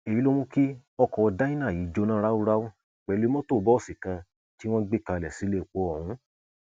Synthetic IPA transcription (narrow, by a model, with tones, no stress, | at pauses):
e˨i˦lo˦m̃ũ˦ki˦ | ɔ˧kɔ˧da˦ĩ˦nã˦˨ji˨˦d͡ʒo˧nãː˦ɾa˦u˦ɾa˦wo˦ | k͡pɛ˨˦lu˧˦mɔ̃˦to˦˨bɔ˦ɔ˦˨si˨kã˧ | ti˦w̃ɔ̃˦ɡ͡be˦ka˧˨lɛ˨si˨˦le˦˨k͡po˨˦ɔ̃˦˨ũ˧˦